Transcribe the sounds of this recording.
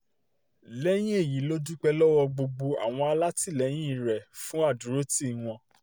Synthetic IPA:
lɛ˦j̃ĩ˦e˦˨ji˨˦lo˦du˦k͡pɛ˧lɔ˦wɔ˧ɡ͡bo˧ɡ͡bo˧a̰˨w̃ɔ̃˧a˧la˦ti˦˨lɛ˨˦j̃ĩ˦˨ɾɛ˨fũ˨˦a˦˨du˨˦ɾo˦ti˦˨w̃ɔ̃˧

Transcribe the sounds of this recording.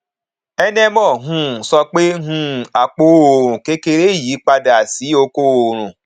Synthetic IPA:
ɛ˦nɛ̃˦mɔ̃˦˨ɦũ˦˨sɔ˧k͡pe˦ɦũ˦˨a˨k͡po˨˦o˨ɾ̃ũ˨ke˦ke˧ɾe˦˨ji˨˦k͡pa˧da˨si˨˦o˧ko˦o˨ɾ̃ũ˨

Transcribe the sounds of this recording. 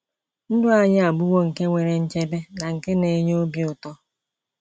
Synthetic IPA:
n̩˦dʊ˦a˨ɲɪ˦a˨ɡ͡bu˦wo˦ŋ̩˨ke˦ŋʷe˨ɾe˨n̩˦t͡ʃe˦be˦na˨ŋ̩˨ke˦ne˨˦ɲ˦o˦bi˦ʊ˨tɔ˦

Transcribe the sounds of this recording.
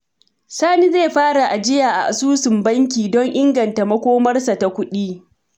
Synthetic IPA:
saː˦ni˦zeː˦˨ɸaː˦ɽa˨ʔa˨d͡ʒɪ˦jaː˨ʔa̰˨ʔa̰˨suː˦sɪ˨mbɐ˦ŋk̬ʲiː˨dɔ˦ŋʔɪ˦ŋɡɐ˨nta˨mɐ˦kʷoː˦mɐ˦rsa˨ta˨kʷʊ˦ɗiː˦

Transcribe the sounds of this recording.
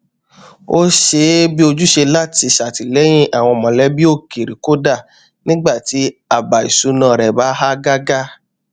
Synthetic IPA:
o˦ʃe˧bi˦o˧d͡ʒu˦ʃe˧la˦ti˧ʃa˨ti˨lɛ˨˦j̃ĩ˦ʔa˨w̃ɔ̃˧˨mɔ̃˨lɛ˨˦bi˦o˦˨ke˨ɾi˨ko˦da˦˨ | nĩ˦ɡ͡ba˦˨ti˨˦a˦˨ba˨ḭ˨su˧˦nã˧˨ɾɛ˨ba˨˦ɦa˦ɡa˦ɡa˦

